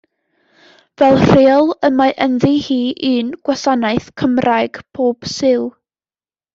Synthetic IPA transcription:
vɛlˠr̥eɔlˠəmaʔənðihiːʔɨnɡ̥wasanaɨθkʰəmrʔajɡ̥pʰoːb̥sɪlˠ

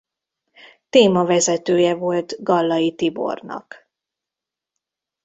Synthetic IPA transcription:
t̪eːmɒvɛzɛt̪øːjɛvo̞lt̪ɡɒlːɒjit̪ibo̞̰rnɒ̰k

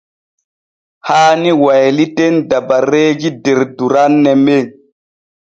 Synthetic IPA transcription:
haːniwajlitendabaɾeɡideɾduɾanːɛme

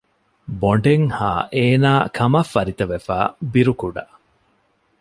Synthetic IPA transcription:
boɳɖeŋha̰ːʔeːnaːkʰɐmɐfːɐɾit̪ɐʋefa̰ːbiɾukuɖɐ̰

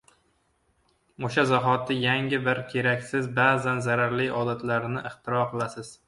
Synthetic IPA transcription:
oʃazaɦɒt̪ːɪjaŋʲɪbɪɾkʲʰe̞ɾakʲsɪzbaːzanzaɾaɾlɪɒd̪at̪ʰlaɾnɪʔɪχt̪ʰɪɾɒqɨlˠasɪz̥

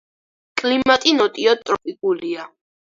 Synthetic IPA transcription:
kʼlimat̪ʼinɔt̪ʼiɔt̪ʼɾɔpʼikʼulia

